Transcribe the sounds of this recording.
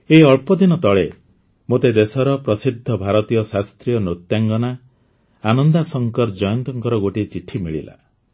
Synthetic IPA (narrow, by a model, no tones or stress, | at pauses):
eɔɭpɔd̪inɔt̪ɔɭe | mot̪ed̪esɔɾɔpɾɔsid̪ʱːɔbʱaɾɔt̪ijɔsast̪ɾijɔnot̪jaŋɡɔna | anɔnd̪asɔŋkɔɾd͡ʒɔjɔnt̪ɔŋkɔɾɔɡoʈit͡ʃiʈʰimiɭḭla̰